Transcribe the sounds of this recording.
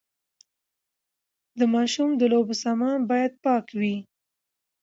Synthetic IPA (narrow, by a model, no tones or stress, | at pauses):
d̪əmɑʃumd̪əlobəsɑmɑnbɑjad̪̚pɑkwi